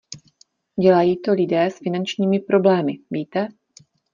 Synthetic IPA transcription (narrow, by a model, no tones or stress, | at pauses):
ɟɛlajiːt̪o̞lɪdɛːsfɪnant͡ʃɲiːmɪpɾo̞blɛːmɪviːt̪ɛ